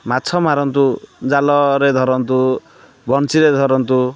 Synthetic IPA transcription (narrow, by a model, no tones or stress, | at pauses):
mat͡sʰɔmaɾɔnt̪ud͡zalɔɾed̪ʱɔɾɔnt̪u | bɔnsiɾed̪ʱɔɾɔnt̪u